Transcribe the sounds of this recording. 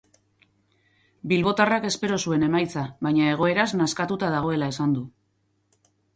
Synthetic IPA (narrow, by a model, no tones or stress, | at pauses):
bilβo̞t̪arake̞spe̞ɾo̞sue̞ne̞majt͡saβajɲae̞ɣ̞o̞e̞ɾaznaskat̪ut̪að̞aɣ̞o̞e̞lae̞sand̪u